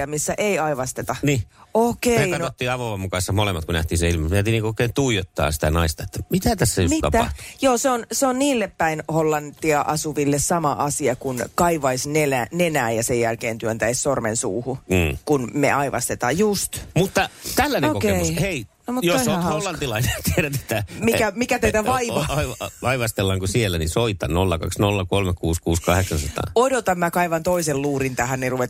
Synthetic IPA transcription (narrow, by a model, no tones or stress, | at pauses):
ɑmisːæʔeiɑiʋɑst̪et̪ɑniokeeiɑnoot̪ːiɑʋoʋɑmukɑisːɑmolemːɑt̪kunæ̰ht̪iːseilmɑmæˑt̪iniːŋkooˑekeːnt̪uijot̪ːɑ̰ːsi̥t̪æ̰nɑist̪ɑet̪ːæmit̪æt̪æsːæjomit̪ɑ̰æɑt̪ujoːseonseonniːlːeppːæinholːɑnt̪ːiɑʔɑsuʋilːessɑmɑʔɑsiɑkunkɑiʋɑisnelænenæːjɑsejjælkeːnt̪yønt̪æissormensṵːhukunmḛʔɑiʋɑ̰st̪et̪ɑːjjust̪mut̪ːɑt̪ælːæneokokeemusheinomut̪joosoholːɑnt̪ilɑinet̪ieɾænsi̥t̪æmikæmikæt̪eit̪æʋɑiʋɑɑiʋʋɑiʋɑst̪elːɑŋkusielːænisoit̪ɑ̰nnolːɑkɑ̰ksnolːɑkolmekkuːskuːskɑheksɑnsɑt̪ɑ̰ːodot̪ɑmmækɑiʋɑnt̪oiselluːɾint̪æhænniruʋe